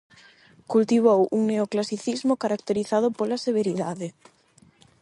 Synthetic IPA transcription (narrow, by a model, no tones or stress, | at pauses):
kult̪iβ̞owuŋneoklasiθizmʊkaɾak̚t̪eɾiθað̞ʊpolaseβ̞eɾiðaðe